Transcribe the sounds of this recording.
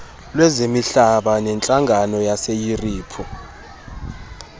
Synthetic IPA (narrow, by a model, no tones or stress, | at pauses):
lwɛzemiɬaɓanɛnt͡ɬʼaŋɡʱanɔjasejiriːpʰu